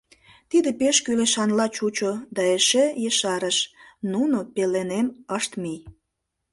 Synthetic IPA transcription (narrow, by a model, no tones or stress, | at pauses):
t̪id̪epeʃkyleʃɑnlɑt͡ɕut͡ɕod̪ɑeʃejəʃɑɾəʃnunopeleneməʃt̪mij